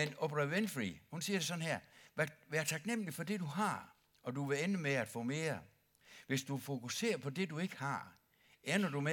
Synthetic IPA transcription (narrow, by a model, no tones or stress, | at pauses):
enob̥ʁæʋenfʁḭhunsiːɐɾ̥e̝s̬ɒ̽n̩hæɐ̰æʋæːɐt͡sʰɑ̈ɡ̥nem̰lifɒ̽d̥e̝d̥uɦɑ̈ | ɒ̽duʋe̝enəmeæd̥fɔ̰̽ːme̝̰ːɐ | ʋe̝sd̥ufo̝kʰuse̝̰ːɐpʰɒ̽de̝due̝ɡ̥ə̥hɑ̈ | eɐnɒdume